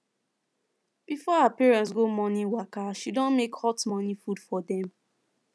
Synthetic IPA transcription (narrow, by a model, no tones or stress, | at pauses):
bifɔapɛɹɛ̃nts̬ɡomɔ̃niwakaʃidɔ̃nmekhɔtmɔ̃nifudfɔdɛ̃m